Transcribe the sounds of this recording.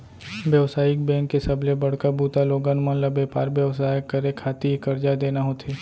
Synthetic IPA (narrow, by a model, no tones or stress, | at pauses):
bjəʋsaːjɪk̚bɛ̃ːŋkːesɐblebɐɽ̤kabʱuːt̪aloːɡaːnmãːnlɐbeːpaːɾbjəʋsaːjəkːəɾekʰaːt̪iikɐɾd͡ʒad̪eːnaɦoːt̪ʰeː